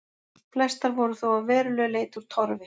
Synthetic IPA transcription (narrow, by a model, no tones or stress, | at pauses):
plɛst̪aɾvɔɾʏθowavɛːɾʏlœːɣleːjt̪ʏɾ̥t̪ʰɔɾvɪ